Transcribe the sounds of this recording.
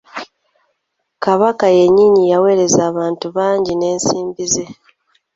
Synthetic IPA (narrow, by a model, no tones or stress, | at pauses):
kaβakaje̞ɲːiɲijawe̞ːɾe̞zaːβaːntuβaːɲɟine̞ːnsiːmbize̞